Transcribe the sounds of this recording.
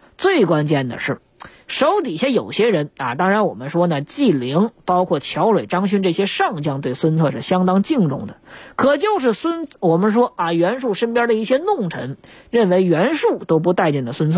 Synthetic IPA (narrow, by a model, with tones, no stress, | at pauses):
t͡swe˥˩ɪkwa˥nt͡ɕjɛ˥˩nd̪ə̰˩ʂɻ̩˥˩ | ʂo˧˥ʊt̪i˨˩ɕjɛ˥jo˨˩ʊɕjɛ˥ɻə˧˥na˧˨t̪ɑ˥ŋɻa˧˥nwɔ˨˩mə˦nʂwɔ˥nə˨t͡ɕi˥˩li˧˥ŋpɑ˥ʊkʰwɔ˥˩t͡ɕʰjɑ˧˥ʊɻwe˨˩ɪʈ͡ʂɑ˥ŋɕy˥nʈ͡ʂɤ˥˩ɕjɛ˥ʂɑ˥˩ŋt͡ɕjɑ˥ŋt̪we˥˩ɪswə˥nt͡sʰɤ˥˧ʂɻ̩˥˩ɕjɑ˥ŋt̪ɑ˥ŋt͡ɕi˥˧ŋʈ͡ʂʊ̰˥˩ŋd̪ə˩kʰɤ˨˩t͡ɕjo˥˧ʊʂɻ̩˥˩swə˥nwɔ˨˩mə˦nʂwɔ˥a˧ɥɛ˧˥nʂ̬u˥˩ʂə˥npjɑ˥d̪ə˨i˥˩ɕjɛ˥nʊ˥˩ŋʈ͡ʂʰə̰˧˥ŋɻə˥˩nwe˧˥ɪɥɛ˧˥nʂu˥˩t̪o˥ʊp̬u˧˥t̪a˥˧ɪt͡ɕɛ˥˩nd̪ə˩swə˥nt͡sʰɤ˥˩